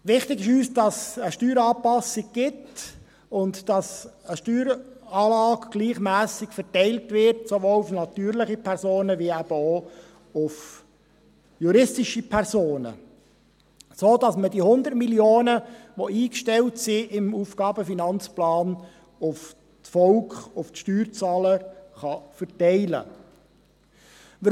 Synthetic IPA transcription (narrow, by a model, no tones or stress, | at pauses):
ʋɪχtɪɡɪʃyːsd̥ɑsəʃtyːɾɑːpɑsɪɡ̚ɡ̥ɪt | ʊntd̥ɑs | əʃtyːɾ | ɑːlɑːɡɡ̥liːχmæːsɪkfɛɾtɛɪltʋɪɾtsoʋoːlufnɑtyːɾlɪχipʰɛɾzoːnəʋiæb̥əo | ʊf | juɾɪstɪʃipʰɛɾsoːnə̰ | soːdɑsmədihʊnd̪əɾtmiljoːnəʋoiːkʃtɛltsiʔɪmuːfɡɑːbəfinɑnt͡splɑːn | ʊf | fɔlkʊftʃtyːɾt͡sɑːləχɑfəɾtɛɪlə̰ | ʋə